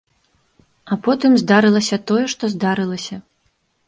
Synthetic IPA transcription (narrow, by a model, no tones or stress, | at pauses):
ɐpɔt̪ɨmzd̪aɾɨlˠɐsʲɐt̪ɔjɛʂt̪ɔzd̪aɾɨlˠɐsʲɐ